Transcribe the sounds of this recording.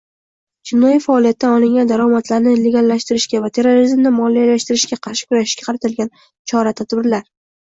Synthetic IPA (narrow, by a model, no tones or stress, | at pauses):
t͡ʃʰɪnɒjifaːlijat̪ːanɒlɪŋɡʲand̪aɾɒmat̪ʰlaɾnɪle̞ɡʲalˠːaʃt̪ɪɾɪʃkʲavat̪ʰe̞ɾːoɾizmnɪmɒlijalaʃt̪ɪɾɪʃkʲaqʰɑɾʃɪ̥kʊɾaʃɪ̥ʃkʲḁqʰɑɾat̪ʰɪlɡʲan | t͡ʃʰɒɾat̪ʰad̪bɪɾlaɾ